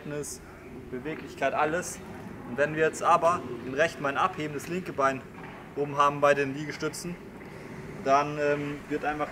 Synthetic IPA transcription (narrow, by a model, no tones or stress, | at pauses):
tnɪs | b̥əveːklɪçkʰaɪtʔaləs | ʊntv̥ɛnviːɐjɛt͡stʔaːbɐʔɪnʁɛçtn̩maɪnʔapheːbən̩dəslɪŋkəbaɪn | ʔoːbm̩ɦaːbm̩baɪdeːnliːɡəʃtʏt͡sn̩ | d̥anɛːmvɪɐtʔaɪnfaχ